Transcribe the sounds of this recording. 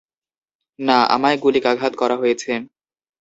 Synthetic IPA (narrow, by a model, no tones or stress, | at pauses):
naa̰maeɡulikaɡʱat̪̚kɔɾʔaɦojet͡ɕʰe